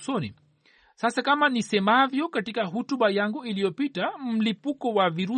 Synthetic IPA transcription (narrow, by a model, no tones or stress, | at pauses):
sɔnḭ | sasakamanisɛmavjɔkatikaɦutuɓajaŋɡuilijɔpitam̩lipukɔwaviɾu